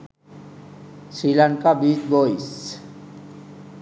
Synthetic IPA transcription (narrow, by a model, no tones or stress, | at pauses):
sɾilaŋkabisbojs